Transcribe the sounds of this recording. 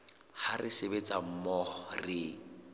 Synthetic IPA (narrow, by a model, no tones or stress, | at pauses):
harɪsebet͡sam̩mɔχɔrɪ